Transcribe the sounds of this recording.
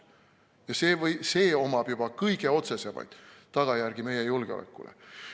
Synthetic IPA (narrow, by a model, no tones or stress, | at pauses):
jɑseːvɤjse̞ːo̞mɑb̥jub̥ɑkɤjɡ̥e̞o̞t̪se̞se̞mɑ̰jd̪̥t̪ːɑɡ̥ɑjærɡ̥ime̞jejulɡ̥eolʔḛkːˑṵlḛ